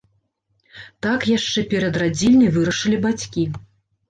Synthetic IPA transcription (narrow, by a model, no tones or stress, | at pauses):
t̪akjaʂt͡ʂɛpʲɛɾɐd̪rad͡zʲilʲnɐjvɨɾɐʂɨlʲibat͡sʲkʲi